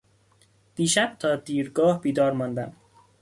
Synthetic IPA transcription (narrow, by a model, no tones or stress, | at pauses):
d̪̥iːʃæb̥̚t̪ʰɒːd̪iːɾɡɒːhbiːd̪ɒːɾmɒːnd̪æm